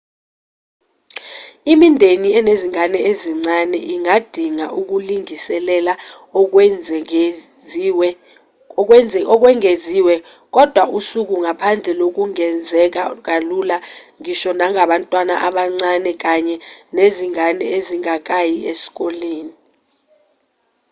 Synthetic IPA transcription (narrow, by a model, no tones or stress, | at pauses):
imindʱeniɛneziŋanɛeziŋ͡ǀanɛʔiŋad̥ʱiŋaʔuk̬uliŋisɛlɛla | ɔk̬wɛŋeziwɛ | k̬ɔd̥ʱwaʔusuk̬uŋapʰand͡ɮʱɛlok̬uŋɛnd͡zʱɛk̬ak̬alulaŋiʃɔnaŋaɓantʼwana̰ʔaɓaŋ͡ǀanɛk̬aɲɛneziŋanɛeziŋak̬ʼajiesi̥k̬ʼoleːni